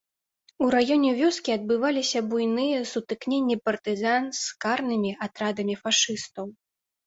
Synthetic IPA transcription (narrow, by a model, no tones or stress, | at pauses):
uɾajɔnʲɛvʲɔskʲiad̪̚bɨvalʲisʲɐbujnɨjɛsut̪ɨknʲenʲːipɐrt̪ɨzanskarnɨmʲiʔat̪ɾad̪ɐmʲifaʂɨst̪ɐw